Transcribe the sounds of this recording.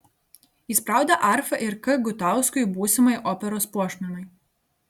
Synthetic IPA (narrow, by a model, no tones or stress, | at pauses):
iˑspɾɑˑʊd̪ʲɛʔɑˑɾfɐʔɪɾkɨɡʊt̪ɑˑʊskɔjbuːsʲɛmɐjʔɔːpʲɛɾoːspuɔʃʲmʲɛnɔj